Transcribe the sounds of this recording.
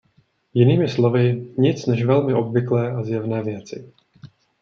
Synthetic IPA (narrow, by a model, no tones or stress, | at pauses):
jɪniːmɪslo̞vɪɲɪt͡snɛʃvɛlmɪʔo̞bvɪklɛːʔazjɛvnɛːvjɛt͡sɪ̰